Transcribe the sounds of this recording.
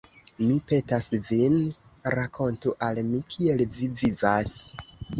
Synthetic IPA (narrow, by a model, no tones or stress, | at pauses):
mipe̞tasvinɾakʰo̞ntuʔalmikʰie̞lvivivas